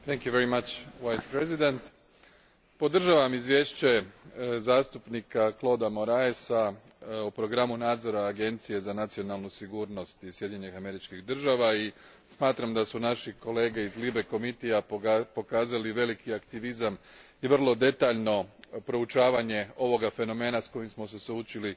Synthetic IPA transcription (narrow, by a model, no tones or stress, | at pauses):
t̪ɛŋkjuʋeɾimat͡ʃʋajspɾezid̪ent̪ | po̞d̪r̩ʒaʋamizʋje̞ːʃt͡ɕe̞zaːst̪upnikaklˠo̞d̪amo̞ɾaesa | upɾo̞ɡɾamunaːd̪zo̞ɾaːɡe̞nt̪sije̞zanat̪sio̞nalˠnusiɡuːɾno̞st̪isjed̪ʲɲeɲixame̞ɾit͡ʃkiɣd̪r̩ʒaʋai | smaːt̪ɾamd̪asunaʃiko̞le̞ːɡe̞izlibe̞ko̞mit̪ijapo̞kaːzaliʋe̞likiakt̪iʋizam | iʋr̩lˠo̞d̪e̞t̪aːʎno̞pɾo̞ut͡ʃaːʋaɲe̞o̞ʋo̞ɡafe̞no̞me̞ːnasko̞jimsmo̞s̬esut͡ʃili